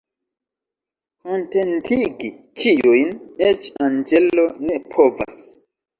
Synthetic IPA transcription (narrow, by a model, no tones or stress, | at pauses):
konte̞ntiɡi | t͡ʃijujnet͡ʃand͡ʒelo̞ne̞pʰo̞va̰s